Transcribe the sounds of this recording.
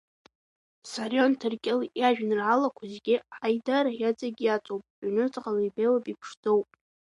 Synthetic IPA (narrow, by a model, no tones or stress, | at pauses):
sarjontʰɨrkʲʼɪljaʒᶣnɨrʕalakʷʰazeɡʲɪħajdaɾajat͡sʼaɡʲijat͡sʼowpʼʕʷnɨt͡sʼqalajbejlapʼipʰʂdʰowpʼ